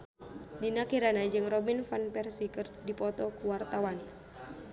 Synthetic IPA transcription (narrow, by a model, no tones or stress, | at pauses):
dinakiɾanad͡ʒɨŋrɔbinfanpɛrsikɨrdipɔt̪ɔkuwart̪awan